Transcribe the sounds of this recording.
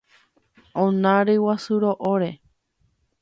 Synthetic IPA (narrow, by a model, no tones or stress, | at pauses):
õnãɾɨwasuɾoʔoɾe̞